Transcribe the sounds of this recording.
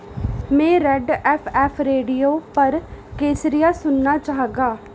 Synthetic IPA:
mɛ̃ːɾɛɖɛːpʰɛːpʰɾeːɖijoːpəɾkeːsɾɪjaːsʊnːaːt͡ʃaːɦɡaː

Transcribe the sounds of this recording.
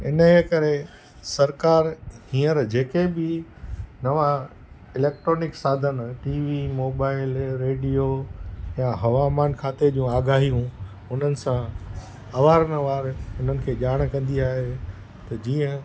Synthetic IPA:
ɪnəekɐɾe | sɐɾkaːɾɦĩːəɾd͡ʑeːkebɪ | nɐʋã | ɪleːk̚ʈɾoːnɪksaːd̪ʱənʈiːʋimoːbaːɪlɾeːɖijojãɦɐʋaːmaːnkʰaːt̪ed͡ʑũːaːɡaːɦijũ | ʊn̤ənɪ̆sã | ɐʋaːɾnəʋaːɾʊn̤ənɪ̆kʰeːʄaːɽ̃kɐ̃nd̪iaːɦe | t̪ɐd͡ʑiːə̃

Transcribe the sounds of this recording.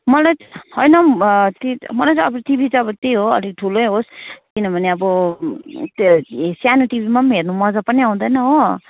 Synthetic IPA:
mʌlajhʌjnʌt̪imʌlajt͡sʌʌbɾot̪ibʱit͡saʌbʌt̪ejɦoʌ̰liɡ̚ʈʰulojɦoskinʌbʱʌneʌbʌ | sjanuʈibʱimamernumʌd͡zapʌniaw̃d̪ʌjnʌɦo

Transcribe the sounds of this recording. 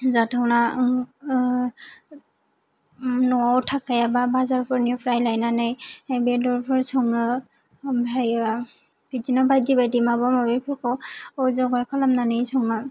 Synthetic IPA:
zatʰana | nɔawtʰakajababazaɹpʰɔɹnupʰɹajlajnanajabɛdɔɹpʰɔɹsʰɔŋa | bʱaja | bidinɔbadibajdimabɔmabipʰɔɹkɔɔzɔɡɔɹkʰalamnanejsʰɔŋa

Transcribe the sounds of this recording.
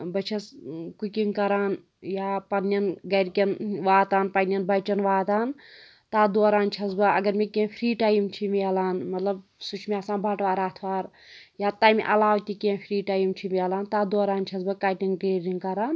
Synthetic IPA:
bɐt͡ʃʰɐskukiŋkɐɾaːn | jaːpɐnjɐnɡɐɾkʲɐnʋaːt̪aːnpɐnɐnbɐt͡ʃɐnʋaːt̪aːn | t̪aːd̪oːɾaːnt͡ʃʰɐsbɐɐ̰ɡɐɾmekẽːfʰɾiːʈaːjimt͡ʃʰimiɐlaːnmɐt̪lɐbsut͡ʃʰmʲiaːsãːnbʱaʈʋaːɾaːt̪ʰʋaːɾ | jaːt̪aːjm̰ʔɐ̰laːʋt̪ʲikẽpʰɾiːʈaːjimt͡ʃʰimiɐlaːnt̪aːd̪oːɾaːnt͡ʃʰɐsbɐkaʈiŋɡʈeːɾiŋkɐɾaːn

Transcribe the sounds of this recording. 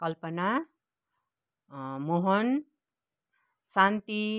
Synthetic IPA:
kʌlpʌna | moɦʌn | sant̪i

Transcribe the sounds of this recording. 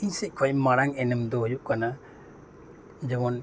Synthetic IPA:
iɲsɛc̚ˀkʰɔjɛmaɾaŋɛnɛmd̪ɔhujuʔkana | d͡ʒɛmɔn

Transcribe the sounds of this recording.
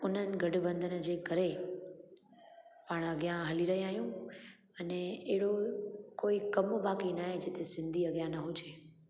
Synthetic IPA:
ʊnənɡəɖbə̃nd̪ʱənd͡ʒekəɾe | pəɳ̃əɡjãɦəliɾəɦĩaɦjũ | əneeɽokoikəmobakinaɦed͡ʒet̪esɪ̃nd̪ʱiəɡjãnəɦũt͡ʃʰe

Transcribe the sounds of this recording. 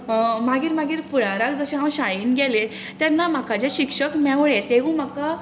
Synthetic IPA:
maɡiːɾmaɡiːɾfuɭaɾakd͡zəɕẽɦãwɕajiːnɡele | t̪janːam̤akad͡ʑeɕikʂəkmɛʋɭet̪eɦũːm̤aka

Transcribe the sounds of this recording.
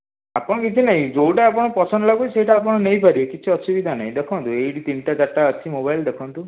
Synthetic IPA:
apɔ̃ɔkit͡ʃʰinaɦĩd͡ʒowʈaːp̬ɔɽ̃ɔpɔsʰɔnlaɡuisejʈaːp̬ɔɽ̃ɔnejpaɾibekit͡ʃʰiɔsubid̪ʱana̰ɦĩd̪ekʰɔnt̪uejɽit̪inʈat͡ʃaʈːaət͡ʃʰimobajld̪ekʰɔnt̪u

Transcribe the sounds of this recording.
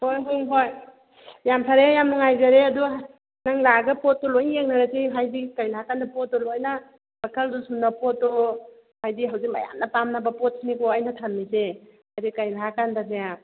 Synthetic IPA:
hojkuŋɦoj | jampʰaɾejamnuŋajzaɾeɐdu | naŋlaɡɐpɔt̚ːɔlojeŋ̚naɾaziɦajdikajnaɦakandɐpɔt̚ːɔlojna | bakʰɐldusunapɔtːɔ | hajdiɦawzik̚ma̰ja̰nnɐpamnabɐpɔt̚snikɔajnatʰanmizehajdikajnaɦakandaneja

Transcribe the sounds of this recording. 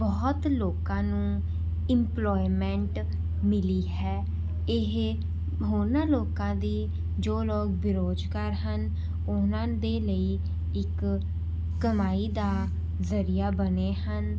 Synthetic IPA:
bɔːt̪loːkãːnũː | ɪmplɔːimɛ̃ɳʈ | mɪliːɦɛː | ɪɦ | ɦoːnãːloːkãːd̪iː | d͡ʒoːloːk̚bɪɾoːd͡ʒkaːɾɦən | ʊnãːd̪eːləiː | ɪkː | əmaːiːd̪aː | zəɾijaːbəneːɦən

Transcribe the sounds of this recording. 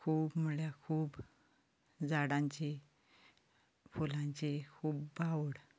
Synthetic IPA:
kʰuːbməɭjakʰuːb | d͡zaɽãɲt͡ɕe | fulãɲt͡ɕekʰuːbbʱawɽ

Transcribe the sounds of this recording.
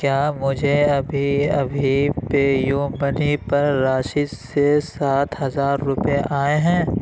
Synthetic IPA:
kjaːmʊd͡ʒʱeɐbʱiɐ̰bʱipeːjuːmənipɐɾːaːʃɪd͡ʒsesaːt̪ɦɐzaːɾːʊpjeʔaːeɦɛ̃ː

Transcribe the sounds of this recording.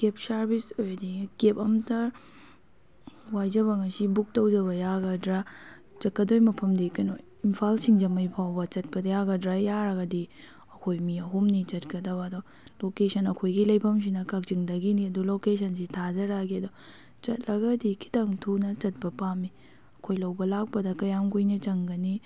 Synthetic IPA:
kep̚saɾbisojdikepɐmtʰɐ | wajd͡ʒɐβɐŋɐsibuk̚tɐwd͡ʒɐβɐjaɡɐdɾa | t͡ʃɐkːɐdojmɐpʰɐmdikɐjno | impʰalsiŋd͡ʒɐmɐjpʰawbɐt͡ʃɐt̚pɐdɐjaɡɐdɾajjaɾɐɡɐdi | ɐkʰojmiɐɦumnit͡ʃɐt̚kɐdɐβɐːdo | lokesɐnɐkʰojɡilɐjpʰɐms̬inɐkak̚ziŋdɐɡiniɐdulokes̬ɐns̬itʰazɐɾaɡiɐdo | t͡ʃɐt̚lɐɡɐdikʰi̥taŋtʰunɐt͡ʃɐt̚pɐpami | ɐkʰojlɐwbɐlak̚pɐdɐkɐjamɡujnɐt͡ʃɐŋɡɐni

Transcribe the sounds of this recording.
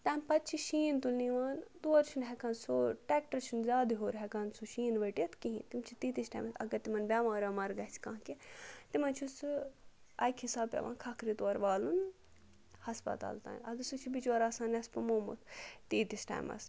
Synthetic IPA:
t̪ɐːmpɐt̪t͡ʃʰiʃiːnt̪ulniʋaːnd̪uɐɾt͡ʃʰunɦɛkansoːʈɛːk̚ʈɐɾt͡ʃʰunzʲaːd̪iɦoːɾɦɛkansuʃiːnʋɐʈijɐt̪ʰkiɦḭ̃t̪imt͡ʃʰit̪iːt̪isʈa̰ːmɐsɐ̰ɡɐɾt̪imɐnbʲaːmaːɾʲɐmɐɾɡɐt͡sʰkãːɦket̪imɐnt͡ʃʰusɨ | ɐjkʰhisaːbpʲjḛʋã̰ːkʰɐkɾit̪oɐɾʋaːlun | hɐspɐ̰t̪a̰ːlt̪a̰ːnɐd̪ɨsut͡ʃʰibit͡ʃɐɾaːsaːnespɐmoːmṵt̪ʰt̪iːt̪isʈa̰ːmɐ̰s

